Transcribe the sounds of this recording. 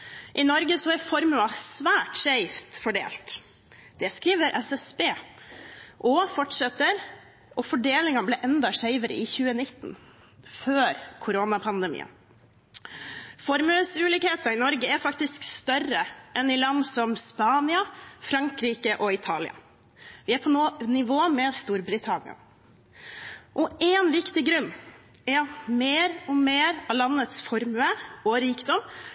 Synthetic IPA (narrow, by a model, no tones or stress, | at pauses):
ʔɪnɔɾɡəsɔɛɾfɔɾmʉɑsʋæːʈʂæɪft̪fɔɖḛːlt̪ | d̪̥ɛskɾiːʋəɾʔɛsɛsbeː | ʔɔfɔʈʂɛt̪ːəɾ | ʔɔfɔɖeːlɪŋɑblɛʔɛnd̪ɑʂæɪʋəɾə̰ɪçʉːənɪt̪ːn | føːɾkʰʊɾoːnɑpʰɑnd̪əmḭːə̰n | fɔɾmʉəsʉːliːkheːt̪ɑɾɪnɔɾɡəæɾfɑkt̪ɪskst̪œrəʔɛnɪlɑnd̪sɔmspɑːnɪɑfɾɑŋkɾiːkəʔɔɪt̪ʰɑːlɪ̰ɑ̰ | ʋɪæɾpʰɔnːnɪʋoːmɛst̪uːɾbɾɪt̪ʰɑnɪ̰ɑ̰ | ʔɔʔeːnʋɪkt̪ɪɡɾʉnːɛɾɑmeːɾɔmeːɾɑlɑnːət̪sfɔɾmʉəɔɾiːkd̪ɔmː